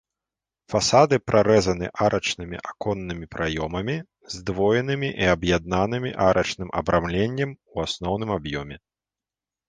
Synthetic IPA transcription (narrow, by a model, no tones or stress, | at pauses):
fasad̪ɨpɾʔaɾɛzɐnɨ̰ʔaɾʔɐt͡ʂnɨmʲḭʔakɔnːɨmʲipɾʔajɔmɐmʲi | zd̪vɔjɛnɨmʲiʔiɐbjad̪̚nanɨmʲḭʔaɾʔɐt͡ʂnɨmʔɐ̰bɾʔamlʲenʲːɐmuasnɔwn̪ɨmabjɔmʲɛ